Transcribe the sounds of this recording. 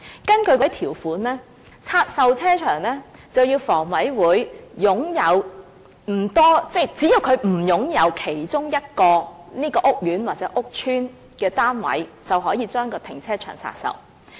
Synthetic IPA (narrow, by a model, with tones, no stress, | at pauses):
kɐ˥nkɵ˧ɥkɔ˨˥jt̪ʰiː˨˩wfuː˨˥nlɛː˥ | t͡sʰaː˧t̚sɐ˨˧wt͡sʰɛː˥t͡ʃʰœː˨˩ŋlɛː˥t͡sɐ˨wjiː˧wfɔː˨˩ŋwɐ˨˥jwuː˨˥jjʊ˨˥ŋjɐ˨˧w | m̩˨˩t̪ɔː˥t͡sɛ˥˩t͡siː˨˥ji˧wkʰɵ˨˧ɥm̩˨˩jʊ˨˥ŋjɐ˨˧wkʰe˨˩jt͡ʃʊ˥ŋjɐ˥t̚kɔː˧niː˥kɔː˧ʔʊ˥k̚jyː˨˥nwaː˨k̚t͡sɛː˨˥ʔʊ˥k̚t͡ʃʰyː˥n | kɛː˧t̪aː˥nwɐ̰˨˥jt͡sɐ˨wɦɔː˨˥jiː˨˧t͡ʃœː˥ŋkɔː˧t̪ʰɪ˨˩ŋt͡sʰɛː˥t͡ʃʰœ̰ː˨˩ŋt͡sʰa̰ː˧t̚sɐ̰˨˧w